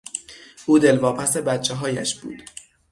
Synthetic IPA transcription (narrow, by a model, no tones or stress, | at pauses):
ʔuːd̪e̞lvɒːpʰæse̞bæt̪̚t͡ʃʰːeɦɒːjæ̰ʃb̥ṵːd̪̥